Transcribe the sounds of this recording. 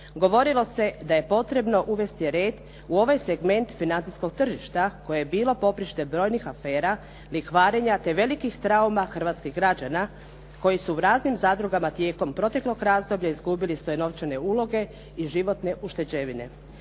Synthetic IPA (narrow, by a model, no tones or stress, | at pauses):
ɡo̞ʋo̞ɾilˠo̞se̞d̪aje̞po̞t̪ɾe̞bno̞ʔuʋe̞st̪iɾeːd̪ | uo̞ʋajseɡme̞nt̪finant̪sijsko̞ɡt̪r̩ʒiʃt̪ako̞jejebiːlˠo̞po̞pɾiʃt̪e̞bɾo̞ːjnixafe̞ːɾa | lixʋaːɾe̞ɲat̪e̞ʋe̞likixt̪ɾaumaxr̩ʋat̪skiɣɡɾad͡ʑana | ko̞jisuuɾaːznimzaːd̪ɾuɡamat̪jeːko̞mpɾo̞t̪e̞klˠoɡɾaːzd̪o̞bʎaizɡubilisʋojeno̞ʋt͡ʃene̞ulˠo̞ɡe̞ | iʒiʋo̞t̪ne̞ʔuʃt̪e̞d͡ʑeʋine̞̰